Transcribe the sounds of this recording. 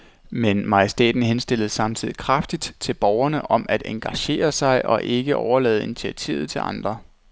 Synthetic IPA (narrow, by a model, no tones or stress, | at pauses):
menmɑjesd̥ḛːd̥n̩ɦensd̥e̝lð̩ˠsɑ̈mt͡sʰið̰ˠikʰʁɑfd̥id̥t͡sʰe̝lb̥ɒʊɐnəʔɒ̽mʔæd̥eŋɡ̥æɕe̝̰ːɐsɑ̈ɪʔɒ̽ʔe̝ɡ̥əʔɒʊɐlɛ̰ːð̞̩ˠi̝nit͡sʰiæt͡sʰḭːʊð̩ˠt͡sʰe̝lʔɑ̈nd̥ʁɐ